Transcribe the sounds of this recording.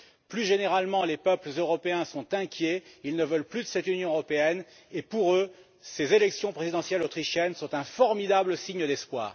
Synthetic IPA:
plyʒeneʁalmɑ̃lepœpləzøʁɔpeɛ̃sɔ̃t̪ɛ̃kʲjeilnəvœlplyd̪əsɛt̪ynjɔ̃øʁɔpeɛn | epuʁø | sezelɛksjɔ̃pχezid̪ɑ̃sjɛlot̪χiʃjɛnsɔ̃t̪ɛ̃fɔʁmid̪abləsiɲəd̪ɛspwa̰ːʁ

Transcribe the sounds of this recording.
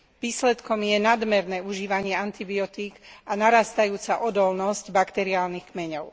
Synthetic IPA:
ʋiːslɛt̪kɔmjɛnad̪mɛɾnɛːuʒiːʋaɲɪɛant̪ibiɔt̪iːɡanaɾaːst̪ajuːt͡saʔɔd̪ɔlnɔscbakt̪ɛɾiaːlnixkmɛɲɔʊ

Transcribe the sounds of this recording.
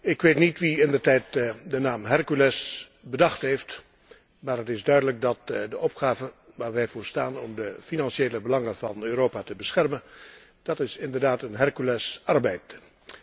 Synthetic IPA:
ɪkʋeːtnitʋiɪndərtɛjtdənaːmɦɛrkylɛs | bədɑχtɦejft | maːɹɦətɪzdœɥdələk̚dɑtdəʔɔpχaːvəʋaːɹʋɛjvʊːɹstaːnɔmdəfinɑnʃeːləbəlɑŋənvɑnøːɾoːpaːtəbəsχɛrmən | d̥ɑtɪsɪndəɹdaːtənɦɛrkylɛsɑrbɛjt

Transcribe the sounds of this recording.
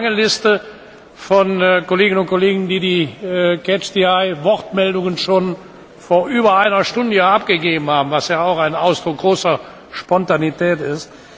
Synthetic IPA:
aŋəlɪstə | fɔnːkoleːɡɪnʊntkoleːɡŋ̩diːdiːkʰɛt͡ʃd̥iaɪvɔʁtmɛldʊŋənʃoːn | foːɐʔyːbɐaɪnɐʃtʊndəjaap̚ɡ̥əɡeːbm̩haːbm̩vasjaːaʊxaɪnaʊsd̥ʁʊk̚ɡ̥ʁoːsɐ | ʃpɔntanitɛːtɪst

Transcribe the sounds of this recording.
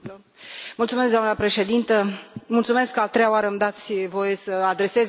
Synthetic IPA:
mult̪sumeskd̪oamnəpɾe̞ʃe̞d̪int̪əmult̪sume̞skːəat̪ːɾe̞jaoaɾəmd̪at̪sʲvo̞je̞səad̪ɾe̞se̞z

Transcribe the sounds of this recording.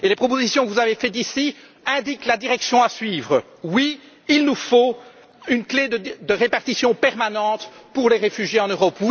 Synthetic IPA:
elepχɔp̬ozisjɔ̃kəvuzavefɛt̪̬isi | ɛ̃d̪iklad̪iʁɛksjɔ̃asɥiːvʁə | wi | ilnufo | ynkled̪əd̪əʁepaʁt̪isjɔ̃pɛʁmanɑ̃ːt̪puʁleʁefyʒjeɑ̃nøʁɔpw

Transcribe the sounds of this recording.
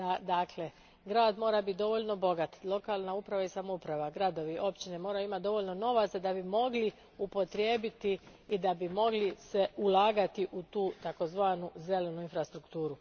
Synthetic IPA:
ad̪akʰle | ɡɾaːd̪mo̞ːɾabit̪̚d̪o̞ʋo̞ʎno̞bo̞ɡat̪lˠo̞kaːlˠnaupɾaʋaisamoupɾaʋaɡɾad̪o̞ʋiʔo̞pt͡ʃine̞mo̞ːɾajuimat̪̚d̪o̞ʋo̞ʎno̞no̞ʋat̪sad̪abimo̞ɡli | upo̞t̪ɾje̞ːbit̪iː | d̪abimo̞ɡlise̞ulˠaːɡat̪iʔut̪uːt̪ako̞zʋaːnuze̞le̞nuinfɾast̪ɾukt̪uːɾu

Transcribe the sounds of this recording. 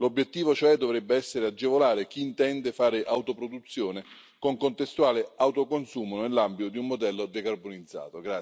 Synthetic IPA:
lobːjet̪ːiːvot͡ʃoɛd̪ːovɾɛbːeɛsːeɾead͡ʒːevolaːɾek̟iːnt̪ɛnd̪efaːɾɪʔawt̪opɾod̪ut̪sːjoːne | koŋkont̪est̪uaːleawt̪okonsuːmonelːambit̪od̪iummod̪ɛlːod̪ekarbonid̪zːa̰ːt̪oɡɾa

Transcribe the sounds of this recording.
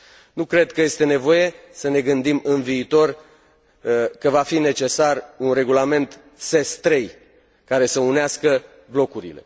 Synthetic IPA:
nukɾe̞d̪kəje̞st̪e̞ne̞vo̞je̞səne̞ɡɨnd̪imɨnviːt̪o̞r | kəvafine̞t͡ʃe̞sarunre̞ɡulame̞nt̪ | se̞st̪ɾe̞j | kaɾe̞səuneaskə | blo̞kuɾḭle̞̰

